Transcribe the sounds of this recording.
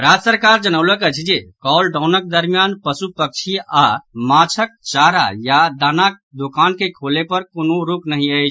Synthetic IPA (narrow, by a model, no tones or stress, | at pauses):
ɾad͡ʒəsəɾkaɾd͡ʒənəʊləkət͡ʃʰd͡ʒekɔlɖãwnək̚d̪əɾmijanpəsupək̚t͡ʃʰiamat͡ʃʰək̚t͡ʃaɾajad̪anak̚ | d̪okankekʰolepəɾkonoɾuknəɦĩəɪt͡ʃʰ